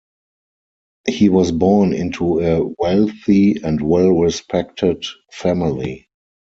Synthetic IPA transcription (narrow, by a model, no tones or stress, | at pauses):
hiːwɔsbɔɹnɪ̰̃ntʰuəwɛlθiɛ̃ndwɛlɹɪspʰɛktʰədfæmɪli